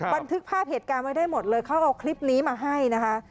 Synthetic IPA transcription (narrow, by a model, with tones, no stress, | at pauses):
ba˧nt̪ʰɯ˦˥k̚pʰaː˥˩p̚heː˨˩t̪̚kaː˧nma˥˩jdaː˥˩jmo˨˩t̪̚lɤː˧jkʰa˦˥wʔa˧wkʰli˦˥p̚niː˦˥maː˧ɦa˥˩jna˦˥kʰa˦˥ʔ